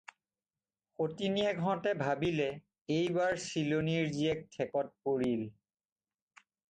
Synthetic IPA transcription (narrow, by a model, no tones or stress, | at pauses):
xotinijaɡʱɔɔtɛbʱabilɛ | ejbaɹsiloniɹziɛk̚tʰɛkɔt̚poɹil